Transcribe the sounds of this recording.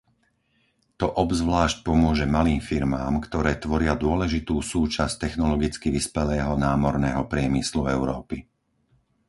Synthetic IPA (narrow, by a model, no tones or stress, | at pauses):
t̪ɔʔɔbzʋlaːʃc̚pɔmʊɔʒɛmaliːmfiɾmaːmkt̪ɔɾɛːt̪ʋɔɾɪad̪ʊɔlɛʒit̪uːsuːt͡ʃasct̪ɛxnɔlɔɡit͡skiʋispɛlɛːɦɔnaːmɔɾnɛːɦɔpɾɪɛmisluɛʊɾɔːpi